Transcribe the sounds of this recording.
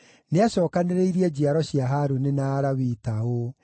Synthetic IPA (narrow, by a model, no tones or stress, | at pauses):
neaɕɔːkaneɾeiɾiɛd͡ʑiaɾɔɕiaɦaɾunenaːɾawitao